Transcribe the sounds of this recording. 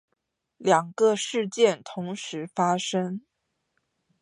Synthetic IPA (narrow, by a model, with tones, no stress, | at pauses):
ljɑ˨˩ŋɡə˧ʂɻ̩˥˧t͡ɕjɛ˥˩nt̪ʰʊ˧˥ŋʂɻ̩˧˥fa˥ʂə˥ŋ